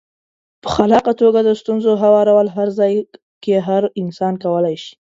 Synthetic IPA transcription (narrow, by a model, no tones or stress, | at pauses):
pə̥xalɑqat̪oɡad̪əst̪unzoɦawɑɾawəlɦaɾzɑj | keɦaɾɪnsɑnkawəlajʃi̥